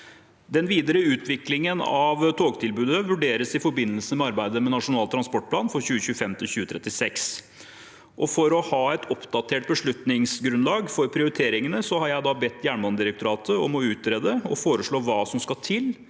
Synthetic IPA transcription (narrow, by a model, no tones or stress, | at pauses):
d̪ɛnʋiːd̪əɾəʉːt̪ʰʋɪklɪŋənɑ̰ʋt̪ʰoːɡt̪ʰɪlbʉːd̪əʋʉɖeːɾəsɪfɔɾbɪnːəlsəmɛɑɾbæɪd̪əmɛnɑʂʊnɑːlt̪ʰɾɑnspɔʈ̚pʰlɑːnfɔɾçʉːəçʉːəfɛmt̪ʰɪlçʉːət̪ʰɾɛt̪ːɪsɛks | ʔɔfɔɾɔhɑːɛt̪ʰɔpd̪ɑt̪ʰeːʈ̚bəʂɭʉt̪nɪŋsɡɾʉnlɑːɡfɔɾpʰɾɪʊɾɪt̪ʰeːɾɪŋənəsɔhɑɾjæɪd̪ɑbɛt̪ːjæːɳmɑnd̪ɪɾək̚t̪ʊɾɑːt̪əɔ̰mɔʉːt̪ɾeːd̪əɔfoːɾəʂɭoːʋɑːsɔmskɑt̪ʰɪl